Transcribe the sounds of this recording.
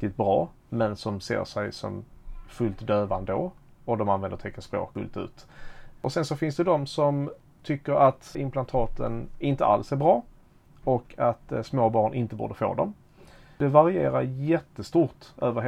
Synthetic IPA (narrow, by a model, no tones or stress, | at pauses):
t̪ɪt̪̚bɾɑː | mɛnsɔmsḛːʂɛjsɔ̰mfɵlt̪d̪øːvand̪əo | ɔd̪ɔmanvɛnd̪əɾt̪ʰɛkːaspɾo̰ːkɡɵ̰lt̪ʉ̟̰ːt̪ʔɔsɛnsɔfɪnsd̪ɛd̪ɔmsɔm | t̪ʰʏkːəɾat̪ɪmplant̪ʰɑːt̪ə̰nɪnt̪ə̰ʔa̰lsæɾbɾɑː | ɔkʰat̪smoːbɑːɳʔɪnt̪əbṵːd̪əfo̰ːd̪ɔm | d̪̥ɛvaɾɪeːɾaɾjɛt̪ːəst̪uːɾʈ̪øːvəɾ